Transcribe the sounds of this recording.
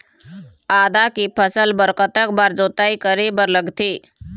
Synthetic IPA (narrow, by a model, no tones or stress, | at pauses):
aːd̪akipʰəsəlbəɾkət̪ək̚baɾd͡ʒoːt̪aːikəɾibəɾləɡt̪iː